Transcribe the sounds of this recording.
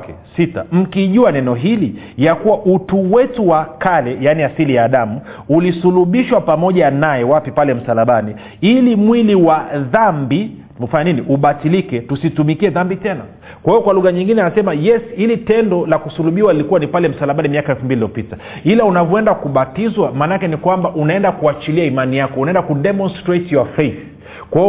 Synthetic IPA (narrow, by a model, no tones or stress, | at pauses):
kɛsita̰m̩kiʄuanɛnɔɦili | jakuwaʔutuwɛtuwakalɛjaniasilijaːɗamuulisuluɓiʃwapamɔʄanajɛwapipalɛm̩salaɓani | ilimwiliwaðambi | faɲaniniʔuɓatilikɛtusitumikiɛðambitɛna | kwahijɔkwaluɣaɲiŋɡinɛanasɛmajɛshilitɛndɔlakusuluɓiwalilikuwanipalɛm̩salaɓanimiakaɛlfumbililijɔpita | ilaunavɔɛndakuɓatizwamaːnakɛnikwambaʔunaɛndakuat͡ʃiliaimanijakɔunaɛndakuɗɛmɔnstɾetjafɛθ | kwa